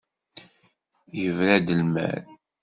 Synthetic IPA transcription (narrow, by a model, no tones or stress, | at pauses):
jəvɾæd̪əlmæ̰ɾ